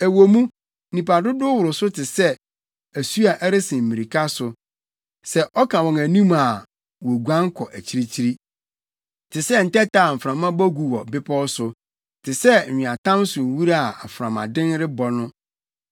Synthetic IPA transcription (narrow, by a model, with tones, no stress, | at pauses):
æ˨wo˨mũ˦ | nĩ˨pa˨dʊ˦dʊ˦wʊ˨ɾʊ˨sʊ˦tʰɪ˨sɛ˦ | æ˨su˦a˨ʔæ˦ɾɪ˦sɪ̃˨m̩˨mĩ˨ɾi˨kʰa˦sʊ˨ | sɛ˦ʔɔ˦kʰã˨wɔ̃˨ŋæ˨nĩ˦ma˨ | wɔo˨ɡu˨ã˦ŋ˦kʰɔ˨ʔæ˨t͡ɕʰi˦ɾi˦t͡ɕʰi˦ɾi˦ | tʰɪ˨sɛ˦n̩˨tɛ˦ta˨m̩˨fɾã˨mã˦bɔ˦ɡu˨wɔ˨bɪ˦pʰɔ˦sʊ˨ | tʰɪ˨sɛ˦˨ɪ̃˨a˨tʰã˦m˦sʊ˨wu˦ɾa˦a˨fɾã˨mã̰˨dɪ̃˦nɾɪ˦bɔ˨nʊ̃˦